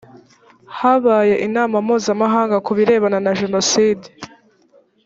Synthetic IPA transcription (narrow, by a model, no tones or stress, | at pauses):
haβaje̞ʔinaːmamuːzamaɦaːŋɡakuβiɾe̞ːβananaʒe̞no̞siːdi